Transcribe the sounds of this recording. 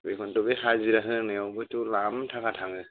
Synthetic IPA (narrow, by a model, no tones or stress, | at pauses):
bekʰɔntɔbekʰaziɾaɦɯŋɯɔwbɯtulamtʰakʰatʰaŋɯ